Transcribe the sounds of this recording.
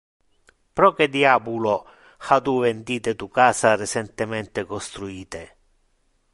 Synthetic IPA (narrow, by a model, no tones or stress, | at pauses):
pɾɔːked̪iaːbulo | hat̪uvend̪iːt̪et̪ukaːsaret͡ʃɛnt̪ɪmɛnt̪ekɔst̪ɾuiːt̪e